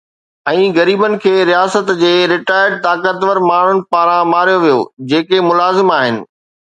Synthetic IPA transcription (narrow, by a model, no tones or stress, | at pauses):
ɛ̃ːɣɐɾiːbənɪ̆kʰeːɾijaːsət̪d͡ʑeːɾɪʈaːɪɾɖt̪aːkət̪ʋəɾmaːɽ̤ʊñɪ̆paːɾãmaːɾijoʋijo̰d͡ʑeːkemʊlaːzɪmaːɦɪnɪ̆